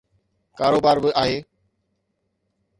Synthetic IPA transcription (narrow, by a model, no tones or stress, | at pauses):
kaːɾoːbaːɾbɪʔaːɦeː